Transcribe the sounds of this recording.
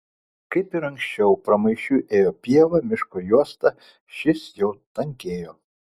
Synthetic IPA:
kɐɪpɪɾɐŋksʲt͡ʃʲɛʊpɾɐmɐɪʃʲuːʔeːjopʲiɛʋɐmʲɪʃkojuɔst̪ɐ | ʃʲɪsjɛʊt̪ɐŋʲkʲeːjo

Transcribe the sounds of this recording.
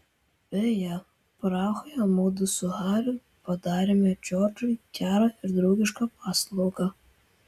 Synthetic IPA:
b̥ʲɛjɛ | pɾɑːxɔjɐmoːd̪ʊsʊhɑːɾʲʊ | pɐd̪ɑːɾʲemʲɛt͡ʃʲoːɾt͡ʃʊkʲæːɾɐɪɾd̪ɾɔʊɡʲɪʃkɐpɑːslˠɐʊɡɑ

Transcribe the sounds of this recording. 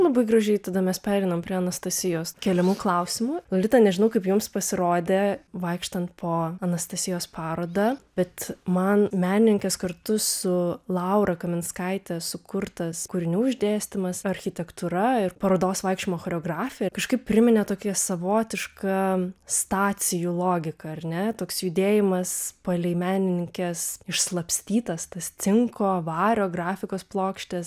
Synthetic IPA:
lˠɐbɐɪɡɾɐʒʲɛɪt̪ɐd̪ɐmʲɛspʲæːɾʲɛɪnɐmpʲɾʲiɛɐnɐst̪ɐsʲɪjoːskʲɛlʲɛmuːklˠɐʊsʲɪmʊlˠɐlʲɪt̪ɐnʲɛʒʲɪnɐʊkɐɪpjʊmspɐsʲɪɾoːd̪ʲeːʋɐɪkʃt̪ɐnt̪pʰoːɐnɐst̪ɐsʲɪjoːspʰɑːɾoːd̪ɑb̥ʲɛt̪mɐnmʲæːnʲɪnʲɪŋʲkʲɛskɐrt̪ʊsʊlˠɐʊɾɐkɐmʲɪnskɐɪt̪ʲɛsʊkʊrt̪ɐskʊɾʲɪnʲuːɪʒʲd̪ʲeːsʲt̪ʲɪmɐsɐɾʲxʲɪt̪ʲɛkt̪uɾɐɪrpɐɾoːd̪oːsʋɐɪkʃt͡ʃʲɪmoːxoːɾʲoːɡrɑːfʲɪjɛkɐʃkɐɪp̚pʲɾʲɪmʲɪnʲɛt̪oːkʲɛsɐʋoːt̪ʲɪʃkɐst̪ɑːt̪sʲɪjulˠoːɡʲɪkɐɐrnʲɛt̪oːksjʊd̪ʲeːjɪmɐspɐlʲɛɪmʲæːnʲɪnʲɪŋʲkʲɛsɪʃslˠɐpʲsʲt̪ʲiːt̪ɐst̪ɐst̪sʲɪŋkoːʋɑːɾʲoːɡrɑːfʲɪkoːsplˠoːkʃʲt̪ʲɛs

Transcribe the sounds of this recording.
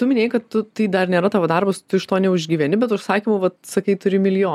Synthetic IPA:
t̪ʊmʲɪnʲeːjkɐt̪tʊt̪ɐɪd̪ɐrnʲeːɾɐt̪ɑːʋoːd̪ɐrbɐst̪ʊɪʃt̪oːnʲɛʊʒʲɡʲiːʋʲɛnʲɪbʲɛt̪ʊʃsɑːkʲiːmoʋɐt̪sɐkɐɪt̪ʊɾʲɪmʲɪlʲjoː

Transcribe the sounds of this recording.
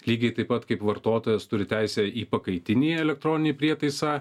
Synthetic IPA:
lʲiːɡʲɛɪt̪ɐɪpɐt̪kɐɪpʋɐɾt̪oːt̪oːjɛst̪ʊɾʲɪt̪ʲæɪsʲɛːiːpɐkɐɪt̪ʲɪnʲiːɛlʲɛk̚t̪ɾɔːnʲɪnʲiːpʲɾʲiɛt̪ɐɪsɑː

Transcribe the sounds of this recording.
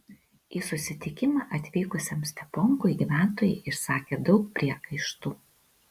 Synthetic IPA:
iːsʊsʲɪt̪ʲɪkʲɪmɑːʔɐt̪ʲʋʲiːkʊsʲɛmsʲt̪ʲɛpɔŋkʊɪɡʲiːʋʲæˑnt̪oːjɛɪɪʃsɑːkʲeːd̪ɒʊk̚pʲɾʲiɛkɐɪʃt̪uː

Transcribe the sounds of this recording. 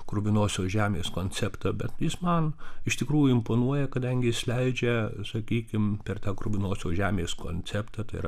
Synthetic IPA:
kɾʊbʲɪnoːsʲoːʒʲæːmʲeːskoːnʲt͡sʲɛpt̪ɑbʲɛt̪jɪsmɐnɪʃt̪ʲɪkɾuːjʊɪmpoːnuɔjɛkɐd̪ɐŋʲɡʲɪɪsʲlʲɛɪd͡ʒʲɛsɐkʲiːkʲɪmpʲɛrt̪ɑːkɾʊbʲɪnoːsʲoːʒʲæːmʲeːsko̰ːnʲt͡sʲɛpt̪ɐːt̪ɐɪɾɐ

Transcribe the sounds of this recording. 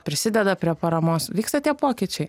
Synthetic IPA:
pʲɾʲɪsʲɪd̪ʲɛd̪ɐpʲɾʲiɛpɐɾɐmoːsʋʲiːkst̪ɐt̪ʲiɛpoːkʲiːt͡ʃʲɛɪ

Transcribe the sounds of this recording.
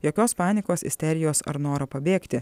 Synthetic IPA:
joːkʲoːspɑːnʲɪkoːsɪ̰sʲt̪ʲɛɾʲɪjoːsɐ̰ɾnoːɾɐpɐbʲeːkt̪ʲɪ

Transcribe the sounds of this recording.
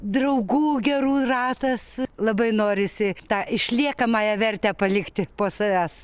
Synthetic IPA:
d̪rɐʊɡuːɡʲɛruːrɑːt̪ɐslˠɐbɐɪnoːɾʲɪsʲɪt̪ɑːɪʃʲlʲiɛkɐmɑːjɛʋʲɛrʲt̪ʲæːpɐlʲɪkt̪ʲɪpoːsɐʋʲæːs

